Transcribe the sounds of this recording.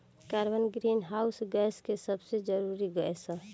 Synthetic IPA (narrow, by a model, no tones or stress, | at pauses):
kaɾbənɡɾinɦausɡɛskesəbsed͡ʒəɾuɾiɡəɛsə̃